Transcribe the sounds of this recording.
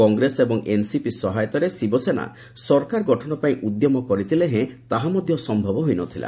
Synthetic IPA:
kɔŋɡɾesebɔŋʔensipisɔɦajɔt̪ɔɾesibɔsena̰ | sɔɾkaɾɔɡɔʈʰɔnɔpaĩʔud̪jɔmɔkɔɾit̪ʰileɦẽt̪aɦamɔd̪ʱjɔsɔmbʱɔbɔɦojnɔt̪ʰila̰

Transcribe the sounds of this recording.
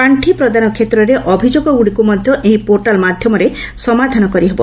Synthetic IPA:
aɳʈʰipɾɔd̪anɔkʰet̪ɾɔɾeʔɔbʱid͡ʒoɡɔɡuɽikumɔd̪ʱjɔʔeɦipoɾʈalmad̪ʱjɔmɔɾe | sɔmad̪ʱanɔkɔɾiɦebɔ

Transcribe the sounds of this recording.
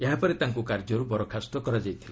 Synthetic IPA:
eɦapɔɾit̪aŋkukaɾd͡ʒɔɾubɔɾɔkʰast̪ɔkɔɾad͡ʒajt̪ʰila

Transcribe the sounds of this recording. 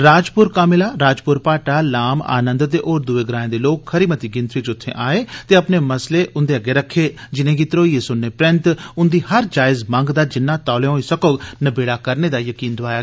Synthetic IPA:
ɾaːd͡ʒpʊɾkaːmɪlaːɾaːd͡ʒpʊɾpaːʈaːlaːma̰ːnə̃nd̪t̪eːʔoːɾd̪ʊʋeːɡɾaːẽːd̪eːloːkhəɾiːmət̪iːɡɪ̃nt̪ɾiːt͡ʃʊt̪ʰːḛ̃ːʔaːeːt̪eːəpneːməsleːʔʊnd̪eːəɡeːɾəkʰːeːd͡ʒɪnẽːɡiːt̪ɾoːiːesʊnːeːpɾɪ̃nt̪ʊnd̪iːhəɾd͡ʒaːɪzmə̃ŋɡd̪aːd͡ʒɪnːãːt̪aːleɦoːiːsəkoːnəbeːɽaːkəɾneːd̪aːjəkiːnd̪ʊaːjaː

